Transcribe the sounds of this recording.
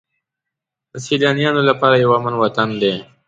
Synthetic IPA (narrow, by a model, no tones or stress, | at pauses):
d̪̥əsilɑnijɑnolapɑɾajawamanwat̪and̪e